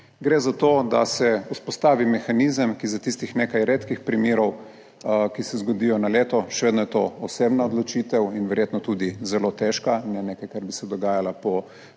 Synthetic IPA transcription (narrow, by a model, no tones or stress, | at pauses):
ɡɾezat̪od̪asɛuspɔst̪aːʋimɛxanizəmkizat̪ist̪ixnekajɾeːt̪kixpɾimjeːɾɔw | kisɛzɡɔd̪ijɔnaleːt̪ɔʃɛʋeːd̪nɔjɛt̪oɔsebnaod̪lɔt͡ʃit̪ɛwinʋɛɾjeːt̪nɔt̪ud̪izɛlot̪ɛʃkanɛnekajkaɾbisɛd̪ɔɡaːjalapɔ